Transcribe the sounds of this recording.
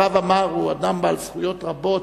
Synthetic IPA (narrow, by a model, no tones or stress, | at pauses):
avamaʁuad̪ambalsχujo̞t̪ʁabo̞t